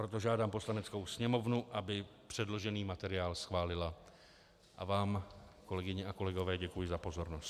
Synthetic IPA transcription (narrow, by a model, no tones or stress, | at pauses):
pɾo̞t̪o̞ʒaːdaːmpo̞slanɛt͡sko̞wsɲɛmo̞vnuʔabɪpr̝̥ɛdlo̞ʒɛniːmat̪ɛɾɪjaːlsxvaːlɪla | ʔa̰vaːmko̞lɛɡɪɲɛako̞lɛɡo̞vɛːɟɛkujɪzapo̞zo̞ɾnost̪